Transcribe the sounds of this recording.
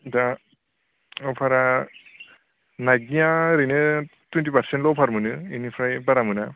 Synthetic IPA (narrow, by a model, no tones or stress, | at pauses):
da | ɔpʰaɾa | naɡijaɾinɯtwintipaɾsentlɔwpʰaɾmɯnɯinipʰɾajbaɾamɯna